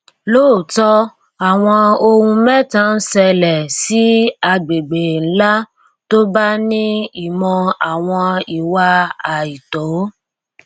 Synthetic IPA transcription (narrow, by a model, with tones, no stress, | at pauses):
loː˦˨tɔ˦ | a˨w̃ɔ̃˧o˧hũ˧mɛ̃˦tã˦n̩˦sɛ˧lɛ˨si˦a˧ɡ͡be˨ɡ͡be˨n̩˦la˦ | to˦ba˦nĩ˦i˦˨mɔ̃˧a˨w̃ɔ̃˧i˨wa˧a˨i˨to˨˦